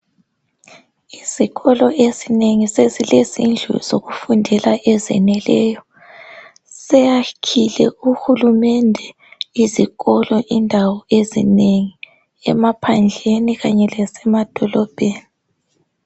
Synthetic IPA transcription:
iz̥iɣɔlɔʔezineŋisezilezind͡ɮʱṵz̥oɣufundʱɛlaʔɛzɛ̰nɛlɛːjɔ | sɛjakʰilɛ̰uxulumɛndʱɛ | iziɣɔlɔʔindʱawɔezḭneŋi | ɛ̰mapʰand͡ɮʱeniɣaɲɛlɛsɛmad̥ʱɔlɔb̥ʱeːni

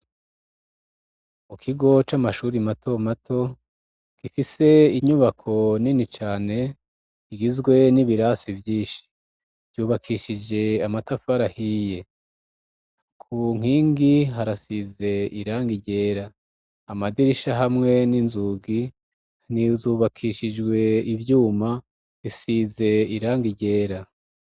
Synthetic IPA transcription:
mukʰiɡo̞t͡ʃamaʃuːɾimato̞matʰo̞ | ɡ̥ifise̞iɲuβakʰo̞ninit͡ʃaːne̞ | iɡizɡwe̞niβiɾasivjiːnʃi̥ | vɟuːβakʰiʃid͡ʒe̞amatafaɾahije̞ | kʰuŋ̥hiːŋɡiɦaɾasize̞iɾaːŋɡiɟe̞ːɾaː | madiɾiʃaɦamŋe̞ninzuɡi | nizuːβakʰiʃid͡ʒɡwe̞ivjuːma | isize̞iɾaːŋɡiɟe̞ːɾa

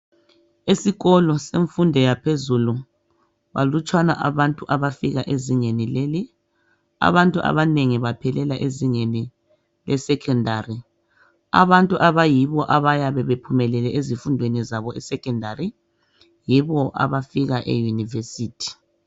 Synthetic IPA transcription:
esiɣɔlɔseɱfundʱɛjapʰezulu | βa̰lut͡ʃʼwanaʔaβantʼuʔaβafiɣaʔeziŋenileːli | a̰βantʼuʔa̰βaneŋiβapʰɛlɛlaʔeziŋeni | lʔɛsɛkʰɛndʱari | a̰βantʼuʔaβajiβɔʔaβajaβɛβepʰumɛlɛlɛʔezifundʱwenizaβɔʔɛ̰sɛkɛndʱari | jiβɔʔa̰βafiɣaʔḛjunivesiːtʰi̥

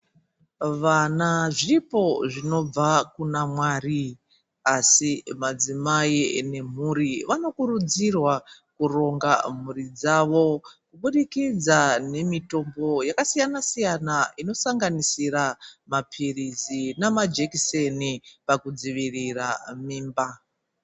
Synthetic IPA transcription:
ʋanaʐipo̞ʐino̞b͡vakunamwaːri | asimad͡zimaine̞m̤uɾiʋano̞kuɾud͡zirwakuro̞ŋɡam̤urid͡zaʋo̞kuɓuɗikid͡zane̞mito̞mbo̞jakasijanasijanaino̞saŋɡanisiɾamapʰirizinamad͡ʒekisenipakud͡ziʋiriramiːmba

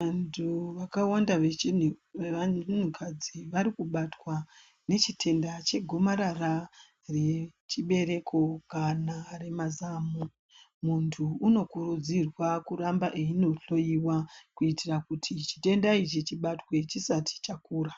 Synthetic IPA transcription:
antʰuʋakawandaʋet͡ʃien̤ukʰad͡ziʋaɾikuɓatwa | ne̞t͡ʃitʰe̞ndat͡ʃe̞ɡʱo̞maɾara | ret͡ʃiɓe̞ɾe̞kʰo̞kanare̞mazamu | muntʰuːno̞kurud͡zirwakurambaʔeino̞ɬo̞iwakuitirakutʰit͡ʃi̥te̞ndait͡ʃit͡ʃiɓatwe̞t͡ʃisatʰi̥t͡ʃakuːra

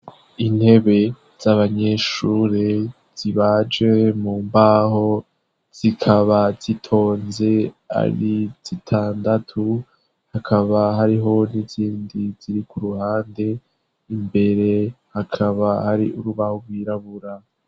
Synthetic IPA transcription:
in̥he̞βe̞ | z̥aβaɲe̞ʃuɾe | z̥iβad͡ʒɡe̞muːmbaho̞ | z̥ikʰaβaz̥itʰo̞ːnze̞a̰ɾiz̥itʰaːndatʰu | hakʰaβaɦaɾiɦo̞niziːndiz̥iɾikuɾuhaːnde̞ | imbe̞ɾe̞hakʰaβahaɾḭʔuɾuβahoɡwiːɾaβuɾa

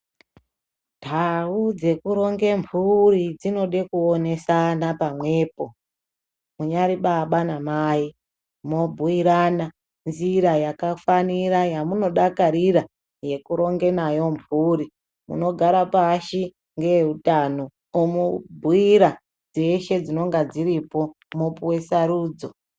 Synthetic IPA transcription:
tʰaud͡ze̞kuɾo̞ŋɡe̞mpʰuɾid͡zino̞ɗe̞kuone̞sanapamwe̞ːpo̞ | muɲaɾiɓaɓanamai | mobʱuiɾana | nziɾajakafaniɾajamuno̞ɗakaɾiɾa | je̞kuɾo̞ŋɡe̞najo̞mbʱuɾi | mṵno̞ɡʱaɾapaʃi | ŋɡe̞utano | omubʱuiɾa | d͡zeʃe̞d͡zino̞ŋɡad͡ziɾipo̞ | mupuwe̞saɾuːd͡zo̞

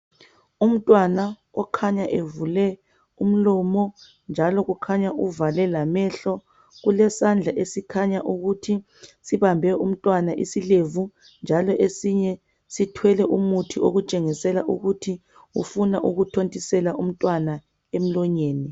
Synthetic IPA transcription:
um̩tʼwanaɣɔkʰaɲaʔevulɛ | um̩lɔmɔ | nd͡ʒʱalɔɣukʰaɲaʔuvalɛlamɛɬɔ | ɣulɛsand͡ɮʱaʔesikʰaɲaʔuɣutʰi | siβambʱɛum̩tʼwanaʔisilevu | nd͡ʒʱalɔʔesiɲɛ | sitʰwɛlɛʔumutʰioɣut͡ʃʼeŋisɛlaʔuɣutʰi | ṵfunaʔuɣutʰontʼisɛlaʔum̩tʼwana | em̩lɔɲeːni

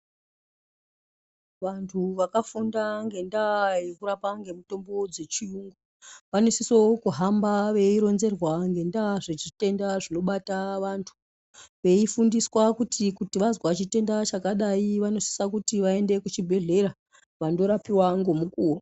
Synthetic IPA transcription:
ʋantʰuʋakafundaŋɡe̞ndajekuɾapaŋɡe̞muto̞mbo̞d͡ze̞t͡ʃiuŋɡu | ʋanosisokuɦambaʋe̞iɾo̞nze̞rwaŋɡe̞ndaʐet͡ʃite̞ndaʐino̞ɓataʋantʰu̥ | ʋe̞ifundiswakutʰikutiʋazwat͡ʃite̞ndat͡ʃakaɗaiʋano̞si̥sakutiʋae̞nde̞kut͡ʃibʱe̞ɮe̞ɾa | ʋando̞ɾapiwaŋɡo̞mukuːwo

